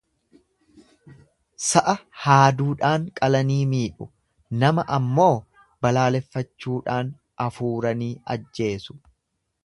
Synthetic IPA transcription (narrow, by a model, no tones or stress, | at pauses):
sɐʔɐhaːd̪uːᶑaːŋkʼɐlɐniːmiːᶑʊ | nɐmɐʔɐmːo̞ː | bɐlaːlɛfːɐt͡ʃːuːᶑaːn | ɐfuːɾɐniːɐd͡ʒːe̞ːsʊ̥